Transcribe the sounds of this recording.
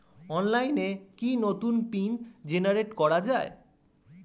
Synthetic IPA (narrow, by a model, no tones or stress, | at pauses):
ɔnlajnekinot̪unpind͡ʑenaɾeʈkɔɾad͡ʑae